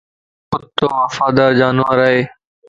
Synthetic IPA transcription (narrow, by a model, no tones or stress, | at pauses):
ʊt̪ːoːʋəfaːd̪aːɾd͡ʒaːnəɾaɦeː